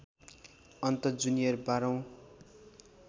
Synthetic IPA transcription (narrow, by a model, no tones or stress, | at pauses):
ʌnt̪ʌd͡zunijʌrbaɾʌw̃